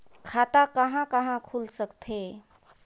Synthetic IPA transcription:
kʰat̪akəɦãkəɦãkʰulsəkt̪ʰe

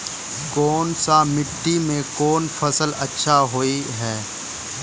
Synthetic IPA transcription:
koːnsamɪʈːimẽkoːnfʰɐsəlɐtːʃʰaɦoːiɦɛː

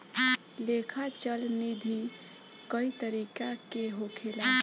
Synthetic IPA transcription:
lekʰat͡ʃəlnid̪ʱi | kəit̪əɾikakeɦokʰela

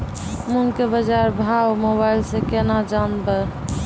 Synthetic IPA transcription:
muŋkebəd͡ʒaɾbʱawmoβailsẽkenad͡ʒanbɛ

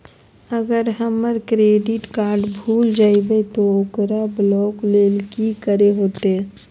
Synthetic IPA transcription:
əɡəɾɦəmːəɾkɾeɖiʈkaɾɖbʱuld͡ʒaːibət̪ookɾablɔklelkikəɾeɦot̪e

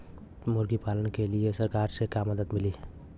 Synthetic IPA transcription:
moɾɡipaːlənkeliesəɾkaːɾsekaməd̪əd̪mɪli

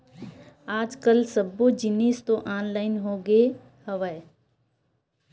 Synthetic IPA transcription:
aːd͡ʒkəlsəbod͡ʒɪniːst̪õʔaːnlaːɪnɦoːɡe | həʋə

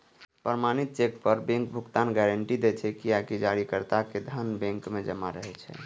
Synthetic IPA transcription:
pɾəmanit̪̚t͡ʃekpəɾbẽŋkbʱukt̪anɡɛɾəɳʈid̪et͡ʃʰɛkiakid͡ʒaɾikəɾt̪aked̪ʱənbẽŋkmed͡ʒəma̰ɾəɦɛt͡ʃʰɛ̰

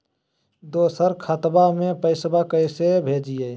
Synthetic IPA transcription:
d̪oːsəɾkʰət̪bamẽpəɪsbakəɪsebʱeːd͡ʒije

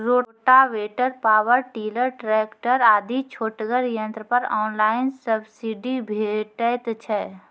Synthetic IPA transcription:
ɾoːʈaʋeːʈəɾpaːwəɾʈiːləɾʈɾɛkʈəɾaːd̪it͡ʃʰoːʈɡəɾjə̃nt̪ɾəpəɾɔːnlaːɪnsəbsiɖibʱeʈət̪t͡ʃʰɛ

